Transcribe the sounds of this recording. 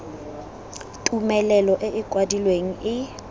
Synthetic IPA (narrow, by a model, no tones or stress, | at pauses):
tʼumɛlɛlɔʔɪʔɪkʼwadilweŋ̩ɪ